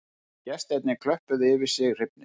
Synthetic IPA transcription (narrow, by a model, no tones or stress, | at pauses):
cɛst̪ɛt̪nɪkʰlœhpʏðɪvɪɾ̥sɪɣr̥ɪp̚nɪ